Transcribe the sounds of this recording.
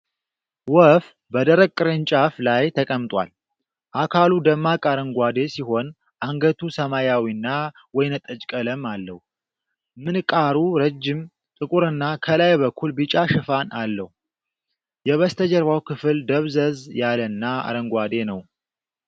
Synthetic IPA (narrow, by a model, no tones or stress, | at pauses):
wɔf | bəd̪əɾəɡ̚kʼːɨɾɨnt͡ʃʼaflajt̪ʰəkʼəmt̪ʼwa̰l | ʔakʰalud̪əmːakʼaɾəŋɡʷad̪e̞siɦo̞n | ʔaŋɡət̪ʰusəmajawinːa | wɔjnət̪ʼət͡ʃʼkʼələmalːəhu | mɨnkʼaɾuɾəd͡ʒːɪm | t̪ʼɨkʼuɾɨnːakʰəlajbəkʰːulbɨt͡ʃʼaʃɨfanalːəhu | jɛβəst̪ʰəd͡ʒəɾβawkʰɨfɨld̪əβzəzjalənːaa̰ɾəŋɡʷad̪e̞nəw